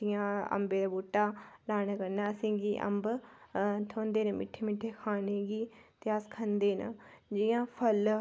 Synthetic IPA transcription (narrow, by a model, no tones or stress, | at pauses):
ijãːə̰mbeːd̪aːbuʈːaːlaːnaːkəɾnaːsĩːɡiːʔə̰mb | t̪ʰoːnd̪eːnəmɪ̰ʈʰeːmɪʈʰːeːkʰaːneːɡiːt̪easkʰənd̪eːnə̰d͡ʒɪjãːpʰəl